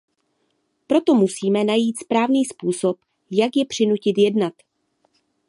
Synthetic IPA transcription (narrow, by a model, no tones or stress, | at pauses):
pɾo̞t̪o̞musiːmɛnajiːt̪spɾaːvniːspuːso̞p | jakjɛpr̝̥ɪnucɪt̪jɛdnat̪